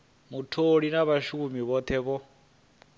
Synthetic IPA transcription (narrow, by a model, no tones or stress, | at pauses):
mutʰoɺinaβaʃumiβɔt̪ʰɛβɔ